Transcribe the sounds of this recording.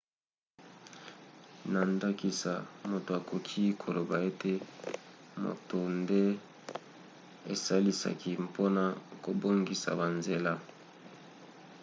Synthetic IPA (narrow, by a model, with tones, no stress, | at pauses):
na˨nda˦ki˨sa̰˨mo˨to˨a˨kʰo˨kʰi˦kʰo˨lo˨ba˨e˦te˦ | mo̰˨to˨nde˦ | e˨sa˦li˦sa̰˨ki˦mpʰo˦na˨ko˨bo˦ŋɡi˨sa̰˨ba˨nze˨la˦